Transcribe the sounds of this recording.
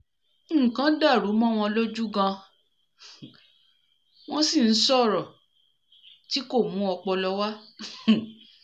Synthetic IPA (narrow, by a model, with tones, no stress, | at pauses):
kã˨˦da˦˨ɾu˨˦mɔ̃˦w̃ɔ̃˧lo˦d͡ʒu˦ɡã˧ | w̃ɔ̃˦si˦˨n̩˦sɔ˦˨ɾɔ˨ | ti˦ko˦˨mũ˦ɔ˧k͡pɔ˧lɔ˧˦wa˦